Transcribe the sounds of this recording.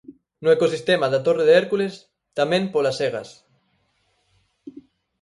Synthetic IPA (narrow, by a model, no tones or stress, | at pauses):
nuekosist̪emaðat̪oreðeeɾkules | t̪amẽmpolaseɣ̞a̰s